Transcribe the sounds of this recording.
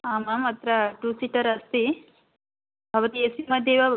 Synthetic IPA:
aːmɐmɐt̪ɾɐʈuːsiʈɐɾɐst̪i | bʱɐʋɐt̪iesimɐd̪ʱjeʋɐ

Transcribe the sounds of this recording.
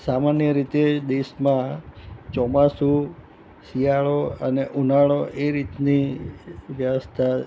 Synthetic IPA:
samanjəɾit̪ed̪eʃmãt͡ʃɔmasu | sijaɭoəneʔunaɭoʔeɾit̪ni | ʋjəʋəst̪ʰa

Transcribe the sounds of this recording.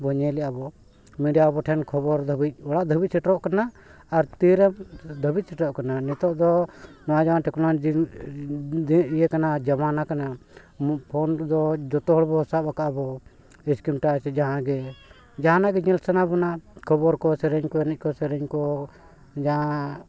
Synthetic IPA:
bɔɲɛlɛjabɔ | miɖjabɔʈʰɛnkʰɔbɔɾd̪ʱəbic̚ˀɔɽaʔd̪ʱəbit̪c̚sɛʈɔʔkanaː | ɾt̪iɾɛmd̪ʱəbic̪̚sɛʈɔʔkananɛt̪ɔʔd̪ɔnɔwad͡ʒamanʈɛkɔna | diijɛkanad͡ʒamanakana | pʰɔnd̪ɔd͡ʒɔt̪ɔɦɔɽbɔsaakaʔbɔ | iskimʈasd͡ʒaɦãɡɛ | d͡ʒaɦãnaʔɡɛɲɛlsanabɔnakʰɔbɔɾkɔsɛɾɛɲkɔɛnɛc̚kɔsɛɾɛɲkɔ | d͡ʒaɦã

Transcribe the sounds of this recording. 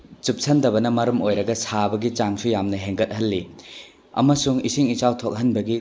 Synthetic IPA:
t͡ʃup̚sʰɐndɐbɐnɐmɐɾɐmojɾɐɡɐsʰabɐɡit͡ʃaŋsujamnɐɦeŋɡɐt̚hɐlːi | ɐ̰mɐsuŋisiŋit͡ʃawtʰok̚ɦɐnbɐɡi

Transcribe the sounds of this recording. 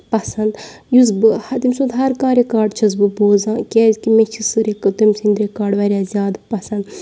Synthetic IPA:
pɐsɐnd̪ | juz̬bɨhɐt̪imʲsũnd̪ɦɐɾkãːɾʲekaːɖt͡ʃʰɐz̬bɨboːzãːkʲɛːzkimẽt͡ʃʰisɨɾekɨt̪ɐmsĩnd̪ɾekaːɖʋaːɾʲaːzʲaːd̪pɐsɐnd̪

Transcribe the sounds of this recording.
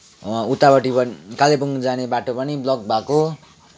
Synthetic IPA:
ut̪ːabʌʈipʌkalepuŋd͡zanebaʈopʌniblʌk̚bʱako

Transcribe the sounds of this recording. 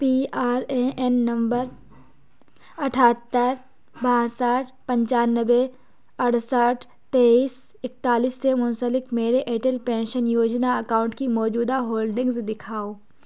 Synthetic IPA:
piːaːɾeʔɛnːɐ̃mbəɾ | ɐʈʰaːt̪ːəɾ | bãːsaːʈʰpɐ̃ɲt͡ʃaːnəʋe | ɐɽsaːʈʰ | t̪eːiːs | ɪk̚t̪aːliːsːemʊ̃nsəlɪkmeːɾeʔeːʈəlpẽːnʃənjoːd͡ʒnaɐkaːʊ̃ɳʈkimɔːd͡ʒuːd̪aɦoːlɖɪ̃ŋɡzd̪ɪkʰaːoː

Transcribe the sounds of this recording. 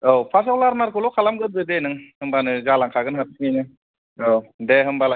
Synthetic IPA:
owpʰas̬awlaɾmaɾkʰɯlɔwkʰalamɡɯt̚dɯdenɯŋhɯmbanɯzalaŋkʰaɡɯnɦatʰsŋijnɯ | owdeɦɯmbala

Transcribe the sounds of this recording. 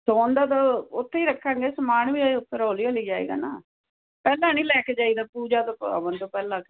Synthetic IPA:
soːnd̪aːt̪aːʊt̪ʰːeiːɾəkʰːãːŋɡeːsəmaːnʋiːaʊp̪ːəɾoːlijaːleːd͡ʒaːḛːɡa̰ːnaː | pɛːlãːnĩːlɛːkeːd͡ʒaːiːd̪aːpuːd͡ʒaːt̪õːə̰ʋənt̪õːpɛːlãːke

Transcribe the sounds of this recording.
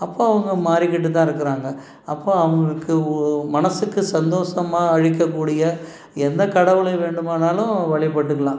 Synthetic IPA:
ɐpːoːɐʋɐŋɡɐmaːɾɪkːɪʈ̬ːɯt̪̬ːãːɪɾɯkːɯɾaːŋɡɐ | ɐpːoːɐʋɐŋɡɐɭɯkːɯmɐnɐsɯkːɯsɐnd̪oːʂɐmaːɐɻɪk̬ːɐkːuːɽɪjɐ | ɛnd̪ɐkɐɽɐʋɯɭɐɪʋeːɳɖɯmaːnaːlʊ̃ʋɐɭɪp̬ːɐʈːɯkːɐlãː

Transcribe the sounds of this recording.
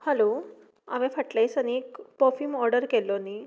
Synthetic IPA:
həlo | a̰ʋẽfəʈlajsanikpɔfimɔɾɖəɾkelɔnːi

